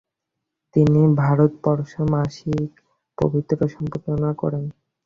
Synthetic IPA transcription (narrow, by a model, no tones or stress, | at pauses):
t̪inibʱaɾot̪pɔɾoʃomaʃik | po̰bʱit̪ːɾoʃɔmpoɾt̪onakɔ̰ɾen